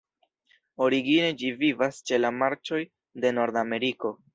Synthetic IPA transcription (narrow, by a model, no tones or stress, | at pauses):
o̞ɾiɡine̞d͡ʒivivast͡ʃe̞lamaɾt͡ʃo̞j | de̞no̞ɾdame̞ɾiko̞